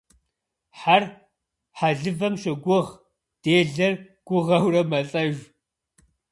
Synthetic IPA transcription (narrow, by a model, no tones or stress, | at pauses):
ħar | ħaɮɨvɐmʃɐɡʷʊʁ | d̥eːɮɐr | ɡ̥ʷʊʁɐwrɐmɐɬʼɐʒ